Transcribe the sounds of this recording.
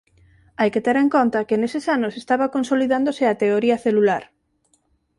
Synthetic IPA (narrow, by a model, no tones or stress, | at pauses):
ajket̪eɾeŋkont̪ɐkɪnesesanʊsest̪aβɐkonsoliðand̪osɪat̪eoɾiɐθelulaɾ